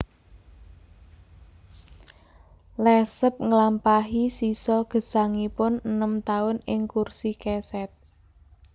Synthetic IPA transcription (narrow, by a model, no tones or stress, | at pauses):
lɛsəp̚ŋəlampaɦisisɔɡ̥ə̤sa̤ŋipʊnənəmt̪aʊnɪŋkursikɛsɛt̪̚